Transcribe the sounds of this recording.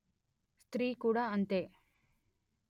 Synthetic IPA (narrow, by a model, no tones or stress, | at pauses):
st̪ɾiːkuːɽaːɐnt̪e